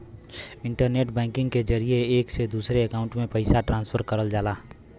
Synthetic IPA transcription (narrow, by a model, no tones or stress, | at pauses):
ɪ̃ɳʈəɾneːʈ̚bɛ̃ːŋkɪ̃ŋɡked͡ʒəɾieeːksed̪uːsɾeəkaːʊ̃ɳʈmẽpəɪsaʈɾãːnspʰəɾkəɾəld͡ʒaːlaː